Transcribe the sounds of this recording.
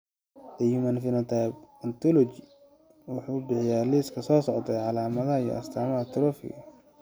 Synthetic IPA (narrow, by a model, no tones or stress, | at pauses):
d̪ɛjʊmɐnfɪnɐt̪ʰajbɐnt̪ʰɔlɔt͡ʃi | wʊħuːbɪħɪjaːliːskʰɐsɔːsɔʕt̪ʰɛjʕɑlaːmɐðɐɦɐijɔ̰ʔɐ̰st̪ʰaːmɐɦɐt̪ʰʊɾɔfɪ̰ɣɐ